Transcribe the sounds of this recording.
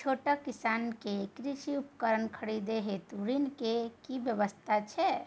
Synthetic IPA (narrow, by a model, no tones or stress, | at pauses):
t͡ʃʰoʈəkisankekɾiʃiupkəɾənkʰəɽid̪eɦet̪uɾinkekibjəʋəst̪ʰat͡ʃʰɛ